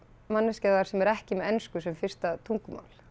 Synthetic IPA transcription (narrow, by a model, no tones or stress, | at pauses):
manːɪscɛðaɾ̥sɛmɛɾɛhcɪmɛɛnskʏsɛmfɪr̥st̪at̪ʰuŋkʏma̰ːwl